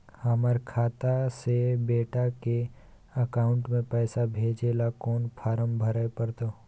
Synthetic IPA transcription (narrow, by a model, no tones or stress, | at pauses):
həməɾkʰaːt̪asebeːʈake | əkaːʊ̃ɳʈmẽpɛːsabʱeːd͡ʒelakɔːnpʰaːɾəmbʱəɾaepəɾt̪o